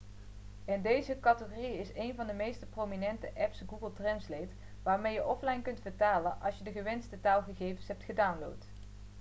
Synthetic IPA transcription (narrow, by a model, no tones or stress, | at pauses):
ɛndejzəkɑtəχoriɪsejnvɑndəmejstəprowminɛntəʔɛpsɡuɡəlˠtrɛnslejt | ʋaːɹmejəʔɔflɑjnkɵntfəɹtaːlənʔɑ̰lˠsjədəχəʋɛnstətaːlˠχəɣejvənsɦɛp̚tχədawnlo̰wt